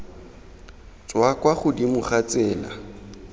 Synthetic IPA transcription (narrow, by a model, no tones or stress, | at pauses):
t͡swakwaχʊdimʊχat͡sɛːla̰